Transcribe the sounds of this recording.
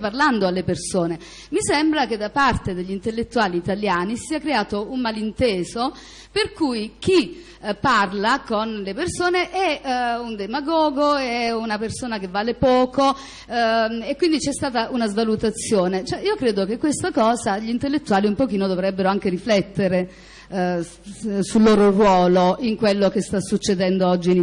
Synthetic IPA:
parland̪oalːepersoːne | misɛmbɾaked̪ːapart̪ed̪eʎːint̪elːet̪ːuaːliːt̪aljaːnisiːakɾeaːt̪oummalint̪eːzo | perkujk̟i | pːarlakonlepersoːneʔɛund̪emaɡɔːɡoɛunapersoːnak̟evːaːlepɔːko | ekːwind̪it͡ʃɛst̪aːt̪aʔunazvalut̪at̪sːjoːnet͡ʃɛiːokɾeːd̪ok̟ekːwest̪akɔːzaʎint̪elːet̪ːuaːliumpok̟iːnod̪ovɾɛbːeɾoaŋk̟eɾiflɛt̪ːeɾe | sulːoːɾorwɔːloʔiŋkwelːok̟est̪asːut͡ʃːed̪ɛnd̪oɔd͡ʒːin

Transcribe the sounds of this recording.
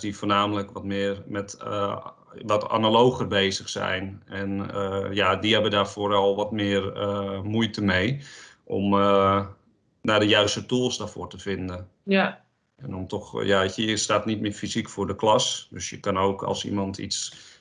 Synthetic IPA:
difoːnaːmələkʋɔtmɪːrmɛt | ʋɔta̰nalowxərbeːzəxsɛ̰jnɛnjadiɦɛbədaːrfoːɾɔlˠʋɔtmɪːrəmujtəmejʔɔ̰m | naːdəjœɥstətulˠsdaːrfoːrtəfɪndən | ɛnɔmtɔxjakəəstaːtnit̚mɪːfizikfʊːrdəklɑsdøsjəkɑnoːkʰɑ̰lˠsḭmɑntʰḭts

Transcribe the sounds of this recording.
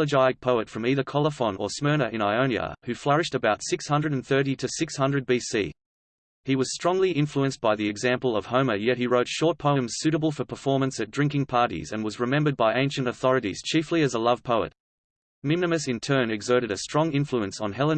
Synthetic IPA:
əd͡ʒaɪɨk̚pʰoʊɨtfɹʌ̃miðə˞kʰɑlˠəfə̃nə̰˞smɜ˞nəʔɨ̃naɪõʊ̃njə̰hʉflɛɹɨʃtɨbaʊtsɪkshʌ̃ndɹɨɾ̃n̩θɜ˞ɾiɾɨsɪkshʌ̃ndɹɨd̚bisḭ | iwʌz̥stɹ̥ɔ̃ŋliɪ̃ɱfluɨ̃nsb̥aɪðiɨɡzæ̃mpl̩ˠʌv̥hõʊ̃məjɛt̚hiɹoʊtʃɔɹt̚pʰoʊɨ̃mz̥sʉɾəbəl̩ˠfə˞pʰə˞fɔɹmɨ̃nsɨt̚dɹɪ̃ŋkɪ̃ŋpʰɑɹɾḭzɨ̃nwʌzɹɨmɛ̃mbə˞d̚baɪʔẽɪ̃nʃɨ̃ntəθɔɹɨɾḭz̥t͡ʃʰifliɨzəlʌv̥pʰoʊə̰t̚ | mɪ̃mnɨmɨsɨ̃ntʰɜ̃˞nɨɡzɜ˞ɾɨɾɨstɹ̥ɔ̃ŋɪ̃ɱfluɨ̃nsn̩ɦɛlˠə̃n

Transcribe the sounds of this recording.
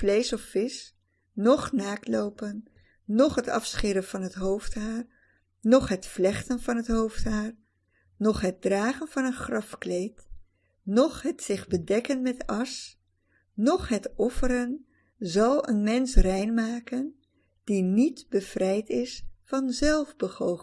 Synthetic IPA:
lejsɔfːɪs | nɔχnaːklowpənː | ɔχɦətɑ̰fsχɪɾənv̥ɑnɦətɦowftɦaːr | nɔχɦətflɛχtənvɑnɦətɦowftɦaːr | nɔχɦət̚draːχənvɑnənχrɑfklejt | nɔχɦətsɪχbədɛkənmɛtɑs | nɔχɦətɔfəɾən | zɑlˠə̰nmɛnsrɛjnmaːkən | d̥initbəv̥rɛjtɪsfɑnzɛlˠvbəχow

